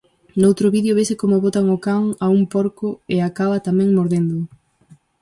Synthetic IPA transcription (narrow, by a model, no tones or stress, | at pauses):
nowt̪ɾʊβiðjoβesɪkomʊβot̪aŋʊkaŋaumpoɾkʊeakaβɐt̪amɛ̃ŋmoɾðend̪ʊ